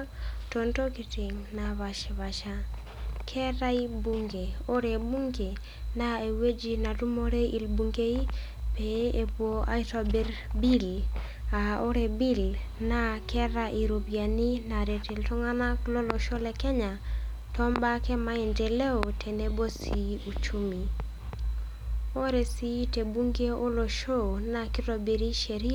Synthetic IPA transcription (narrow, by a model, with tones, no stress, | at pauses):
to˨nto˦ki˨ti˨ŋna˨βa˨ʃi˨βa˨ʃa˦ | kʰɛ˦ɾa˦i˦bu˦ŋɡe˨o˦ɾe˨bu˦ŋɡe˨ | na˦e˨we˦d͡ʒi˨na˨tu˦mo˦ɾe˦i˨lbu˨ŋɡe˦i˦ | pe˨e˨pwo˦a̰˦i˦to˨be˦ɾbi˦l | a˨o˦ɾe˨bi˦lna˦kʰɛ˦ɾa˦ʔi˨ɾo˨bja˨ni˦na˨ɾe˨te˨ltɔ˦ŋa˦na˦klo˦lo˨ʃo˦lɛ˨kɛ˦ɲa˨ | tɔ˦mba˦kɛ˦ma˦i˨nte˨le˦o˨tʰe˨ne˦bo˦si˨u˨t͡ʃu˦mi˨ | o˦ɾe˨si˦te˨bu˦ŋɡe˦o˦lo˨ʃo˦na˨ki˦to˨bi˨ɾi˦ʃe˨ɾi˦